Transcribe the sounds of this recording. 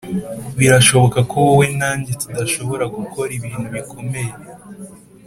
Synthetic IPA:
βiɾaʃo̞βo̞kakowowenaːɲɟetudaʃo̞βo̞ɾaɡuko̞ɾiβiːn̥huβikʰo̞me̞je

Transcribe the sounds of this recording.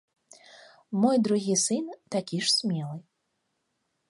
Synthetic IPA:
mɔjd̪ɾuɣʲisɨnt̪akʲiʂsʲmʲɛlˠɨj

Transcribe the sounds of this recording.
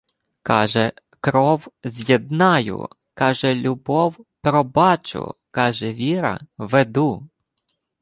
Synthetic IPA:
kɑʒɛ | kɾɔwzʲjɛd̪nɑjʊ̰ | kɑʒɛlʲʊbɔwpɾɔbɑt͡ʃʊ̰kɑʒɛʋʲiɾɐ̰ʋed̪u

